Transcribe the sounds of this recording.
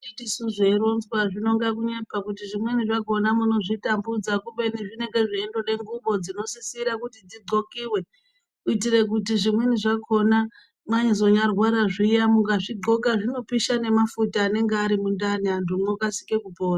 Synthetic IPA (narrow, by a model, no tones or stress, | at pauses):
itisuʐeɾo̞nzwaʐino̞ŋɡak̬uɲe̞pakutiʐimweniʐako̞namuno̞ʐitambud͡zakuɓe̞niʐine̞ŋɡe̞ʐiendo̞ɗe̞ŋɡuɓo̞d͡zino̞sisiɾakutid͡ziɡo̞kiːwe̞ | uitire̞k̬utiʐimweniʐako̞na | maɲizo̞ɲarwaɾaʐijamuŋɡaʐiɡ͡ǃo̞kaʐino̞piʃane̞mafutaːne̞ŋɡeaɾimundaniandumokasi̥kekupoːra